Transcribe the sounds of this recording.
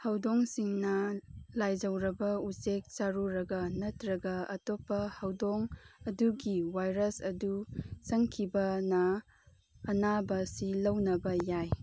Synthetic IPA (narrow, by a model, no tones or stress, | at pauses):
hɐwdoŋsiŋnɐlajd͡ʒɐwɾɐbɐusek̚t͡ʃaɾuɾɐɡɐnɐtɾɐɡɐɐ̰topːɐhɐwdoŋɐduɡiwajɾɐsɐdusɐŋkʰibɐnɐː | nabɐsilɐwnɐbɐjaj